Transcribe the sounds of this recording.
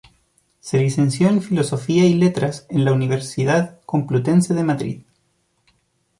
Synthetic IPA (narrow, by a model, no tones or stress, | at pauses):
se̞lise̞nsjo̞eɱfilo̞so̞fiailet̪ɾasenlauniβeɾsiðaðko̞mplut̪e̞nseðemaðɾḭð